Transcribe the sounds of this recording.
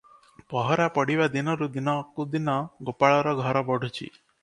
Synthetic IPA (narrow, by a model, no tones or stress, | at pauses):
pɔɦɔɾapɔɽiʋad̪inɔɾud̪inɔkud̪inɔɡopaɭɔɾɔɡʱɔɾɔbɔɽʱut͡ʃʰḭ